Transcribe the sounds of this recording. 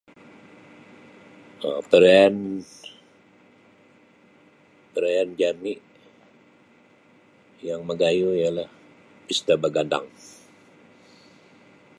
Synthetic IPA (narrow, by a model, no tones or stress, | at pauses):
ə̰pəɾaan | pəɾaand͡ʒaniʔ | jaŋməɡajuialah | pist̪abaɡanda̰ŋ